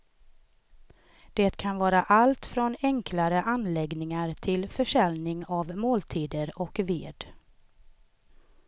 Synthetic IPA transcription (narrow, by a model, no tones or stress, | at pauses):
d̪̥eːt̪kʰanvɑːɾaʔalt̪fɾɔnɛŋkʰlaɾəʔanlɛɡnɪŋaɾt̪ʰɪlfœʂɛlnɪŋavmoːlt̪ʰiːd̪əɾɔkveːd̪